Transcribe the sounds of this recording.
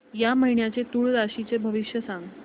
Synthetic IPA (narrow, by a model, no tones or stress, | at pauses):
jaməɦiɳjat͡set̪uɭɾaɕit͡sebʱəʋiʂjəsãŋɡ